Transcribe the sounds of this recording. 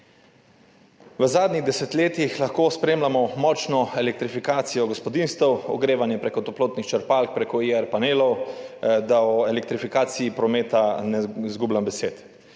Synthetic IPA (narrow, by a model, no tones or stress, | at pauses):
ʋəzaːd̪niɣd̪ɛsɛt̪leːt̪ixlaxkoːspɾeːmlamɔmɔːt͡ʃnɔɛlɛk̚t̪ɾifikaːt̪sijɔɡɔspɔd̪inst̪ɛwɔ̰ɡɾeːʋanjɛpɾekɔt̪ɔploːt̪nixt͡ʃəɾpaːlk̚pɾekɔiɛɾpaneːlɔwd̪aɔelɛk̚t̪ɾifikaːt̪siipɾɔmeːt̪anɛzɡuːblambɛseːt̪